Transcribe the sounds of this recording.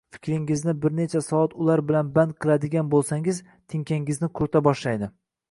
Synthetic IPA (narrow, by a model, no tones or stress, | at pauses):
fɪ̥kʲɾɪŋɪznɪbɪɾne̞t͡ʃʰasɒɒt̪ʰʊlaɾbɪlanband̪̚qʰɨlˠad̪ɪɡʲanbolˠsaŋɪz | t̪ʰɪŋkʲʰaŋɪznɪkʰʊɾt̪ʰabɒʃlajd̪ɪ